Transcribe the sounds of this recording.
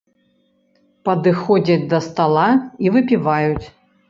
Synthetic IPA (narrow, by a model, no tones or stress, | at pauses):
pɐd̪ɨxɔd͡zʲɐd͡zʲd̪ɐst̪alˠaivɨpʲivajut͡sʲ